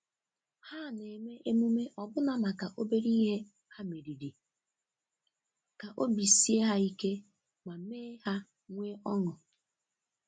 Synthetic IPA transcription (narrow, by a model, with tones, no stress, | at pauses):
ha˦˨ne˨me˦ʔe˦mu˦me˦ʔɔ˨bʊ˦na˦na˨ka˨ʔo˦be˦ɾi˦ɦe˦ | ha˦me˨ɾi˨ɾi˨ | ka˨ʔo˦bi˨si˦e˦ɦa˦i˦ke˦ | mʷa˨meː˦ha˦ | ŋʷeː˦ʔɔ˦ŋɔ˨